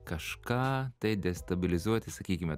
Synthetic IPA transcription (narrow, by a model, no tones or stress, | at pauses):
kɐʃkɑːt̪ɐɪd̪ʲɛst̪ɐbʲɪlʲɪzuɔt̪ʲɪsɐkʲiːkʲɪmʲɛ